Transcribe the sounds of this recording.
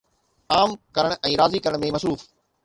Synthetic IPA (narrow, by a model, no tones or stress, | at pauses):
aːmkɐɾəɽ̃ʔɛ̃ːɾaːzikɐɾəɽ̃mẽmɐsɾuːf